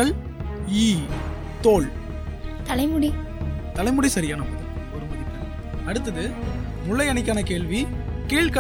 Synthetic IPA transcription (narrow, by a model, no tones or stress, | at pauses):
ɐɭ | iː | t̪oːɭ | t̪ɐlɐɪmʊɽi | t̪ɐlɐɪmɯɽisɐɾɪjaːnɐm | ɔɾɯmɐðɪt̪ːɐ | ɐɽɯt̪ːɐðɯ | mʊɭːɐɪɐnɪkʲːaːnɐkeːɭʋikiːɭkɐ